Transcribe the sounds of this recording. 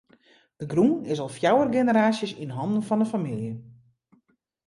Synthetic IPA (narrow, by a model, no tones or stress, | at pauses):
d̥əɡrunɪsɔlˠfjawərɡenəɾaːsjəsinɦɔndn̩fɔndəfamilˠjə